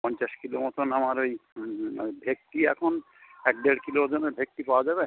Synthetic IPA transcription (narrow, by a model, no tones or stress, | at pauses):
pɔɲt͡ʃaskilomɔt̪onamaɾoj̰ | jbʱek̚ʈiɛkʰon | ɛk̚ɖeɽkilod͡ʒoneɾbʱek̚ʈipawad͡ʒaβe